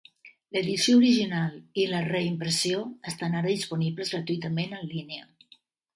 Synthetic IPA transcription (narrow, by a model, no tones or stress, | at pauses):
ləðisjouɾiʒinalˠiləreimpɾəsioəst̪anaɾəðispuniβləzɣɾat̪uit̪əmenənlineə